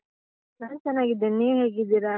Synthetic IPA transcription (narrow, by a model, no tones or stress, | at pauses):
naːnt͡ʃɛnːaːɡid̪eneːɦeːɡid̪ːiɾa